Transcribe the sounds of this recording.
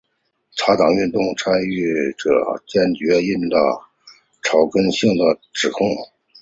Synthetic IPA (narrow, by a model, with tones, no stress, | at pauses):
ʈ͡ʂʰa˧˥t̪ɑ˨˩ŋy˥˧nt̪ʊ˥˧ŋʈ͡ʂʰa˥ny˥˩˧ʈ͡ʂɤ̰˨˩t͡ɕjɛ˥˩nt͡ɕɥɛ˧˥i˥˩nd̪ə̰˧˩ | ʈ͡ʂʰɑ˧˥ʊkə˥nɕi˥˩ŋd̪ə˩ʈ͡ʂɻ̩˨˩kʰʊ˥˩ŋ